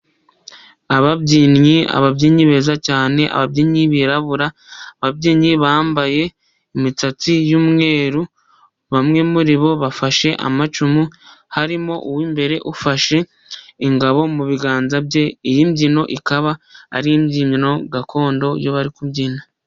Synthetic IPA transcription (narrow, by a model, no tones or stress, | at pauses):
aβabɟiːnɲia̰βabɟiːɲiβe̞zacaːne̞ʔa̰βabɟinɲiβiɾaβuɾa | βabɟiːɲiβaːmbaje̞ | imit͡sat͡sijuːmŋe̞ːɾu | βamŋe̞muɾiβo̞βafaʃe̞ʔa̰mat͡ʃumuhaɾimo̞ʔuwimbe̞ɾe̞ʔufaʃe̞ | iŋɡaβo̞muβiɡaːnzabɟe̞ijimbɟino̞ʔikaβaa̰ɾijimɟiːɲino̞ɡakʰo̞ːndo̞joβaɾikubɟiːna